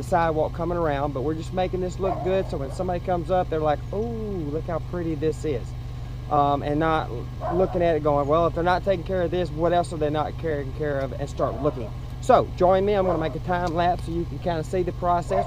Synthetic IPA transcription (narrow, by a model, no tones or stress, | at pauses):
ɨsaɪwʌt̚kʰʌ̃mɪ̃ŋə˞ãʊ̃nd̚bʌt̚wɪɹd͡ʒʌsmeɪkɪ̃ŋðɪslʊk̚ɡ̥ʊd̥soʊwɨ̃nsʌ̃mbɑɾikʰʌ̃mzʌp̚ðə˞laɪku | lʊkhaʊpʰɹ̥ɪɾiðɪsɪz̥ | ʔʌ̃mʔɨ̃nːət | lʊkɪ̃ŋɨɾɨt̚ɡ̥oʊɪ̃ŋwɛlˠəfðə˞nətʰeɪkɪ̃ŋkʰɛɹʌvðɪswʌɾɛlˠsə˞ðə˞nət̚kʰɛɹɪ̃ŋkʰɛɹʌvɨ̰̃nstɑɹtˡlʊkɪ̰̃ŋ | soʊd͡ʒɔ̃ɪ̃nmiãɪ̃mɡʌnəmeɪkɨtʰãɪ̃mlæpsoʊjɨknkʰãɪ̃ndɨsiðɨpʰɹ̥ɑsɛs